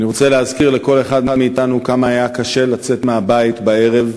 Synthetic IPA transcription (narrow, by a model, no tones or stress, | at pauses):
niʁo̞t͡seleɦazkiʁle̞ko̞le̞χadmameːtanukamaːjakaʃe̞lat͡se̞t̪meabait̪bae̞ʁe̞v